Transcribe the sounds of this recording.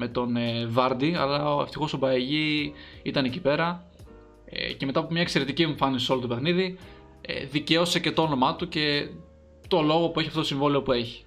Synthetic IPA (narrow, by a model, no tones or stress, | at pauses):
me̞t̪o̞nevɐɾd̪iɐlɐeft̪ixo̞sobɐeʝiit̪ɐnecipe̞ɾɐ̰ | ceme̞t̪ɐpomɲɐekse̞ɾe̞t̪icieɱfɐnisiso̞lot̪ope̞xniði | ḛðice̞o̞se̞ce̞t̪oono̞mɐt̪uce̞ | t̪o̞lo̞ɣo̞pueçiɐft̪otosĩɱvoleopue̞çi̥